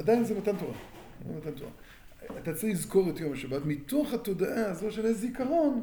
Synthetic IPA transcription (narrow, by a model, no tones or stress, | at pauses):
adajinzemat̪antoʁa̰ | emat̪antoʁa̰ | at̪at͡saʁilizko̞ʁetjomaʃabatmitoχhato̞daʔaːzo̞ʃe̞lezeikaʁo̞n